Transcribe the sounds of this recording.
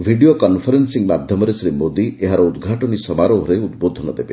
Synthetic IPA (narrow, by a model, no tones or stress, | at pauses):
bʱiɖijokɔnpʰɔɾensiŋmad̪ʱjɔmɔɾesɾemod̪iʔeɦaɾɔud̪ɡʱaʈɔnisɔmaɾɔɔɾeud̪bod̪ʱɔnɔd̪ebe